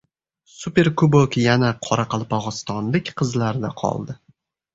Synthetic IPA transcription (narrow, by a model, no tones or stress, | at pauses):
supʲe̞ɾkubokjanaqʰɒɾaqɑlˠpʰɒʁɨst̪ɒnlɪkʲqʰɨzlaɾd̪aqʰɒ̰lˠd̪ɪ